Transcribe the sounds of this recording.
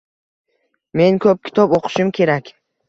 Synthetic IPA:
me̞nkʰɵp̚kʲʰɪ̥t̪ʰɒboqʰɨ̥ʃɪmkʲʰe̞ɾakʲ

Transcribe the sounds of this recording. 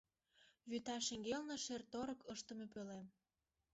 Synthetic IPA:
βyt̪ɑʃeŋɡelnə̆ʃert̪oɾɤ̆kəʃt̪ə̆mep̬ølem

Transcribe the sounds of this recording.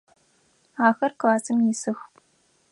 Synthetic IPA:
aːxɐrklaːsɨmjɪsɨxpʼ

